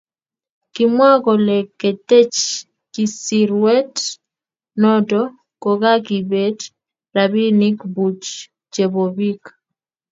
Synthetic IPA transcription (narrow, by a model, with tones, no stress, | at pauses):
kimwa˦kɔ˨le˨ke˨te˦t͡ʃ | ki˨siɾwɛ˦t | nɔ˦dɔ˦ | kɔ˨ka˦ki˨be˦d | ɾa˨bi˦ni˦kbu˨t͡ʃ | d͡ʒe˨bo˨bi˦k